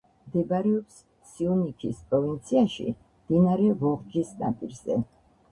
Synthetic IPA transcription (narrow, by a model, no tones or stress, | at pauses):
md̪ɛbaɾɛɔps | t̪sʰiɔnikʰispʼɾɔvint̪sʰiaʃḭ | md̪̥inaɾɛvɔʁd͡ʒisna̰pʼḭɾz̥ɛ̰